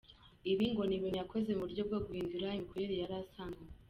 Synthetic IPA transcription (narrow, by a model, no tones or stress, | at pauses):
iβiŋɡo̞niβinjakozeuβuɾɟob̚ɡoɡuhiːnduɾaimikuɾeɾejaɾasana